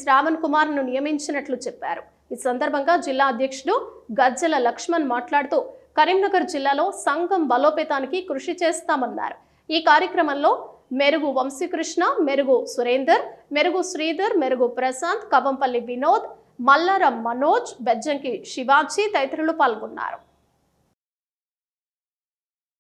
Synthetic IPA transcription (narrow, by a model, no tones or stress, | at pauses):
ɾaːʋɐnkumaːɾnunijɐmiɲt͡ʃinɐʈlut͡ʃɛpːa̰ːɾu | iːsɐnd̪ɐɾbʱɐŋɡaːd͡ʒilːaːɐd̪ʱjɐkʂuɽuɡɐɾd͡ʒɐlɐlɐkʂmɐnmaːʈlaːɽut̪uːkɐɾimnɐɡɐɾd͡ʒilːaːlo̞ːsɐŋɡɐmbɐloːpɛːt̪aːnikikɾuʂit͡ʃeːst̪aːmɐnːa̰ːɾu | iːkaːɾjɐkɾɐmɐmlo̞ːmeɾuɡuʋɐmsikɾuʂɳameɾuɡusuɾeːnd̪ɐɾme̞ɾuɡusɾiːd̪ɐɾmeɾuɡupɾɐsaːnt̪kɐʋɐmpɐlːiʋinoːd̪ | mɐlːɐɾɐmːɐnoːd͡ʒbɛd͡ʒɐŋkiʂiʋaːt͡ʃit̪ɐjt̪ɾɐlupaːlɡunːa̰ːɾu